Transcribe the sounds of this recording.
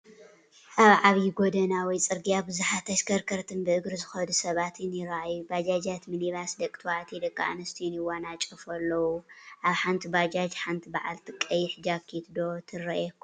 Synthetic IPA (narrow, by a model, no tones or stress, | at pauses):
ʔaβʕaβjiɡod̪ɐnawɔjt͡sʼɨɾɡijabɨzuħat̪ʰɐʃkʰɐɾkʰɐɾt̪ʰɨnbɨʔɨɡɾɨzɨxɐd̪usɐβat̪ʰɨnjɪɾʔajubad͡ʒad͡ʒat̪mɨniβasd̪ɐkʼt̪ʰwaʔt̪ʰid̪ɐkʼːa̰ʔanɐst̪ʰijunɨwanat͡ʃʼɐfɐlːɐwuʔaβħant̪ʰibad͡ʒad͡ʒħant̪ʰibaʕa̰lt̪ʰɨkʼːɐjɪħd͡ʒakʰit̪d̪o̞t̪ʰɨɾɐʔɛkːu